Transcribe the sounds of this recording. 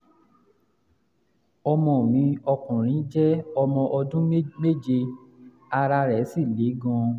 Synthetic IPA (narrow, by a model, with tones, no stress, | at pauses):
ɔ˧mɔ̃˨mĩ˨˧˦ɔ˧kũ˨ɾ̃ĩ˨˦d͡ʒɛ˦ɔ˧mɔ̃˧ʔɔ˧dũ˦me˦˨d͡ʒe˧ | a˧ɾa˧ɾɛ˨˦si˦˨le˨˦ɡɔ̃˧